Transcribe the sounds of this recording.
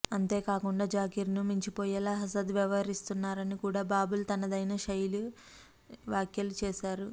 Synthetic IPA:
ɐnt̪e̞ːkaːkuɳɖaːd͡ʒaːkiɾnumiɲt͡ʃipoːjɛlaːɦɐsɐd̪ʋɛʋɐɦɐɾist̪unːaːɾɐnikuːɽaːbaːbult̪ɐnɐd̪ɐjnɐʃɐjlu | ʋaːkjɐlut͡ʃɛːʃaːɾu

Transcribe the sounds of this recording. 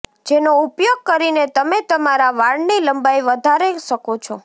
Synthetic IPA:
d͡ʒenoupjoɡ̚kəɾinet̪əmet̪əmaɾaʋaɭniləmbaiʋəd̪ʱaɾeʃəkot͡ʃʰɔ

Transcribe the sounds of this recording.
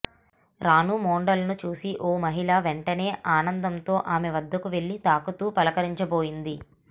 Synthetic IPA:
ɾaːnuːmoːɳɖɐlnut͡ʃuːsiʔoːmɐɦiɭaːʋeɳʈɐne̞ːʔaːnɐnd̪ɐmt̪o̞ːʔaːmeʋɐd̪ːɐkuʋe̞ɭːit̪aːkut̪uːpɐlɐkɐɾiɲt͡ʃɐboːjind̪i

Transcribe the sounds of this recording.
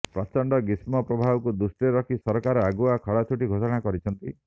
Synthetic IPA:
pɾat͡ʃɔɳɖɔɡismɔpɾɔbʱabɔkud̪usʈeɾɔkʰisɔɾɔkaɾɔaɡuakʰɔɽat͡ʃʰuʈiɡʱosɔɽ̃akɔɾit͡ʃʰɔnt̪i

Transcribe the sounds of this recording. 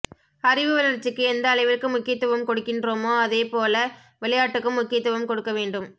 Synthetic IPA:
ɐrɪʋɯʋɐlɐɾt͡ʃːɯkːɯɛnd̪ɐːɭɐɪʋɪɾkːɯmʊkːɪjɐt̪ːɯʋɐmkɔɽɯkːɪndroːmoːɐðeːpoːlɐ | ʋɛɭɐjaːʈːɯkːɯmːʊkːɪjɐt̪ːɯʋɐmkɔɽɯkːɐʋeːɳɖɯm

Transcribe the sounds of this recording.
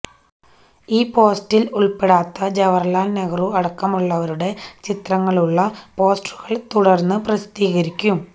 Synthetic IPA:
iːpo̞ːstiluɭpeɽaːt̪ːɐd͡ʑɐʋɐrlaːnnɐɣɐruɐɽɐkːɐmuɭːɐʋɐɾuɽe̞t͡ɕit̪rɐŋːɐɭuɭːɐpo̞ːsʈruɣɐɭt̪uɽɐrnːɨprɐst̪iːɣɐɾikʲːum

